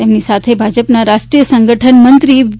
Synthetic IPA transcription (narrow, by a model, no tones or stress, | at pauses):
jamniːsat̪ʰebʱad͡ʑəpnaɾaʂʈɾiːjəsəŋɡəʈʰənmənt̪ɾiː